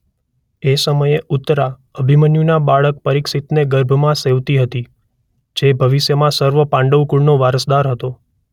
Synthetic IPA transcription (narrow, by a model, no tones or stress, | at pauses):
esəməjeʔut̪ːɾa | əbʱimənjunabaɭək̚pəɾiksit̪neɡəɾbʱəmãseʋt̪iɦət̪i | d͡ʒebʱəʋiʃjəmãsəɾʋəpãɳɖəʋkuɭnoʋaɾəsd̪aɾɦət̪o